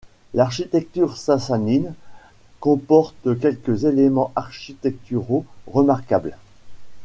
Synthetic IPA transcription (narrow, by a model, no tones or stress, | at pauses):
laʁʃit̪ɛk̚t̪yʁsasanin | kɔ̃pɔʁt̪k̬ʲɛlkʲəzelemɑ̃ʔaʁʃit̪ɛk̚t̪yʁoʁəmaʁkabl